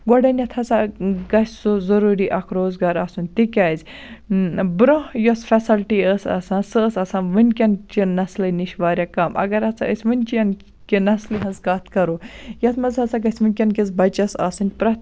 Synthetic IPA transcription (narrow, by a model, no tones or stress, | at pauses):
ɡɔɖɐnʲɐt̪ʰɐt͡saɡɐsʲsuzɐɾuːɾiʔɐkʰɾoːzɡaːɾasunʲt̪ikʲɐːzʲ | bɾohjosfɐsɐlʈiəsɐ̰sãːsəːsɐsãnʋɨnʲkʲɐnt͡ʃinɐslɨniʃʋaːɾʲjakɐmʔɐ̰ɡɐɾɐt͡sʰa̰əsʲʋɨnʲt͡ʃijɐn | kinɐsliɦɐnzkaːt̪ʰkɐɾojɐt͡s̪mɐzɦɐt͡saɡɐsʲʋɨnʲkʲɐnkʲizbɐt͡ʃɐsa̰sunʲpɾɐt̪